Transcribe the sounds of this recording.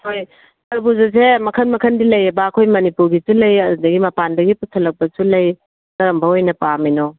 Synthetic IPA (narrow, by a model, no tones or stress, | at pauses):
hoj | ɐɾbuzɐs̬emɐkʰɐnmɐkʰɐndilɐjɐbɐːkʰojmɐnipuɾɡisulɐjɐdudɐɡimɐpandɐɡiputʰɐlɐk̚bɐsulɐj | kɐɾɐmbɐojnɐpamino